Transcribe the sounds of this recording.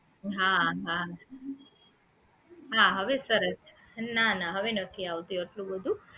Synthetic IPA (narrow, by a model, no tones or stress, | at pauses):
ɦãːɦa | ɦãːɦɐʋesɐɾɐ | naːnaɦɐʋenot̪ʰiawd̪ujoʈluʋod̪u